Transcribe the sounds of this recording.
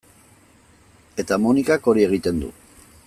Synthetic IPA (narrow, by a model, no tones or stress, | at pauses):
e̞t̪amonikako̞ɾie̞ɣ̞it̪e̞nd̪ṵ